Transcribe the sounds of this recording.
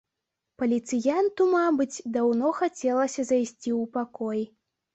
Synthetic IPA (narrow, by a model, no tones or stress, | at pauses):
pɐlʲit̪sɨjant̪umabɨd͡zʲd̪awnɔxat͡sʲɛlˠɐsʲɐzajsʲt͡sʲiwpakɔj